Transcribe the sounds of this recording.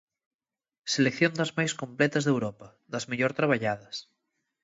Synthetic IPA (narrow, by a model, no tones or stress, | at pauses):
selekθjõnd̪ɐzmajskõmplɛt̪ɐzðewɾɔpɐ | ðɐzmeʎoɾt̪ɾaβ̞aʎaðɐs